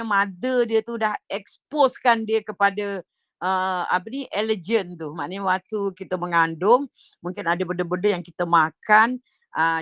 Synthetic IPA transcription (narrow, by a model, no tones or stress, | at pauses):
əmadədiət̪udahɛksposkandiəkəpada | əa̰p̬əniʔɛləd͡ʒənt̪umaʔnəɲəwat̪ukit̪əməŋandʊm | muŋkɪnadəbəndəbəndəjaŋkit̪əmakan | ʔə